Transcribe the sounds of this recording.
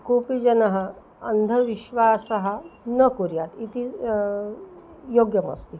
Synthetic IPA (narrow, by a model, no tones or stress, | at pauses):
kupid͡ʑɐnɐɦɐ | ənd̪ʱəʋiɕʋaːsəɦənəkuɾjat̪it̪iː | joɡjəmɐ̰st̪i